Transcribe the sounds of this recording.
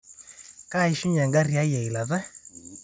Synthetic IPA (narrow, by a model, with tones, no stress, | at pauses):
ka˦i˨ʃu˦ɲa˨ŋɡa˦ri˨a˦jɛ˨i˨la˨ðɛ˦